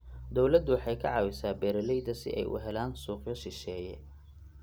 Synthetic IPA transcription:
d̪ɔwlɐd̪ʊwħɑjkʰɐʕɑwɪsaːbɛːɾɐlɛjd̪ɐsɪ̰ʔɛ̰jʔʊ̰ɦɛlaːnsuːqjɔʃɪʃɛːjɛ

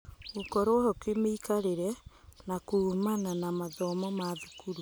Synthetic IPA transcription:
ukɔɾoɔhɔkemeikaɾeɾɛnakuːmananamaðɔmɔmaðukuɾu

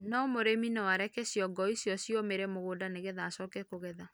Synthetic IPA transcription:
nɔmoɾeminɔwaɾɛkɛsjɔɡɔisjɔsjomeɾɛmoɣoːdaneɣɛðaːsɔːkɛkoɣɛða

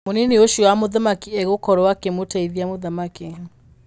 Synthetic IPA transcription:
moninioʃiwamoðamakiɛɣokɔɾɔwakemotaiðiamoðamake

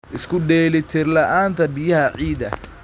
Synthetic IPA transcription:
ʔɪskʰʊɖɛːlɪt̪ʰɪrlɐʔaːnt̪ʰɐbɪjɐhɐʕiːd̪ɐ̰

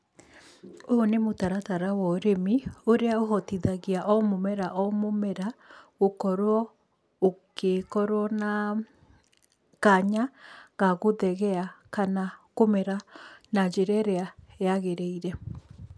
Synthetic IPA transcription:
oːnemotaɾataɾawɔɾemioɾeaoɦɔtiðaɣiaʔɔmomɛɾaʔɔmomɛɾaokɔɾwɔ | okekɔɾwɔna | kaɲaɣaɣoðɛɣɛakanakomɛɾanad͡ʒeɾɛɾeaeaɣeɾɛiɾɛ

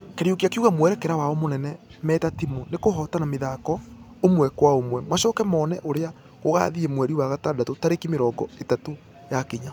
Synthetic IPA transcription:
keɾjokijakeuɣamwɛɾɛkɛɾawaɔmonɛnɛmɛtatimonekoɦɔtanameðaːkɔ | omwɛkwaomwɛmwaʃɔːkɛmɔːnɛʔoɾea | ɣoɣa̰ðiemwɛɾiwaɣatadatotaɾekimeɾɔːɡɔetato | jakiɲa

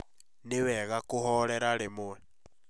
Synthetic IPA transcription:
nɪwɛɣakʼuɦɔɺɛɾaɺɪmʊwɛ

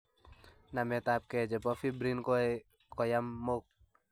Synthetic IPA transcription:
namɛt̪ap̚kɛd͡ʒəpɔfibɾink | kɔjamːok̚

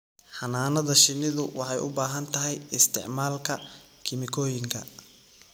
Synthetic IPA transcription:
ħɑnaːnɐðɐʃɪnɪðʊwɑħɑjʔʊ̰baːɦɐnt̪ʰɐɦɛjɪst̪ʰɪ̰ʕmaːlkʰɐ | kʰɪmɪkʰɔːjɪŋkʰɐ

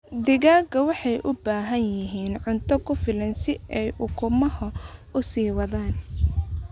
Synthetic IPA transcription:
d̪ɪɣaːɡɐwɑħɑjʔʊbaːɦɐnjɪɦiːnʕʊnt̪ʰɔkʰʊfɪlɐnsɪʔɛjʊkʰʊmɐhɐʔʊsiːwɑðaːn

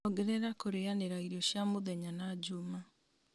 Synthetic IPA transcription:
ɔɡɛɾɛɾakoɾeaneɾaiɾiɔɕjamoðɛɲanad͡ʑuma

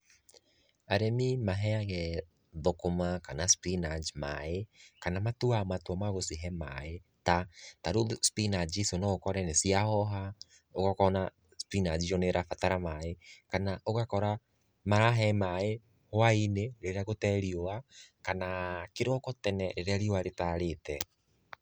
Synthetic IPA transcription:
aɾemimaɦɛaɣɛ | ðokomakanaspinad͡ʒma̰ekanamatuamatwamaɣosiɦɛma̰e | tataɾospinad͡ʒisonɔɣokɔɾɛnesiahɔɦa | oɣakɔna | spinad͡ʒiɾɔneɾʔafataɾamaekanaʔoɣakɔɾa | maɾaɦɛmae | hoaineɾeɾeaɣotɛɾioakanakeɾɔkɔtɛnɛɾeɾeaɾioaɾetaɾetɛ

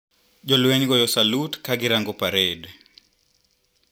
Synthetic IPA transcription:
d͡ʒɔlweɲɡɔjɔsalutkaɡɪɾaŋɡɔpaɾed

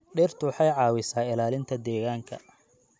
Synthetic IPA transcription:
ɗɪrt̪ʰʊwħɑjʕɑːwɪsaːɪlaːlɪnt̪ʰɐd̪ɛːɣaːŋkʰɐ̰

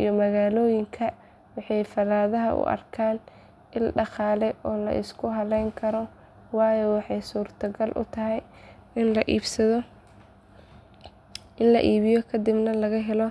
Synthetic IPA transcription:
ḭjɔmɐɣaːlɔːjɪŋkʰɐ | wɑħɑjfɐlaːðɐɦɐ̰ʔʊ̰ʔɐ̰rkʰaːn | ɪlɖɑχɑːlɛjʔɔːlɐ̰ʔɪ̰skʰʊɦɐlɛjŋkʰɐɾɔ | wɑːjɔwɑħɑjsuːrt̪ʰɐɡɐlʔʊ̰t̪ʰɐɦɛj | ɪnlɐʔiːbsɐðɔ | ʔɪnlɐʔiːβɪjɔkʰɐd̪ɪbnɐlɐɣɐɦɛlɔ

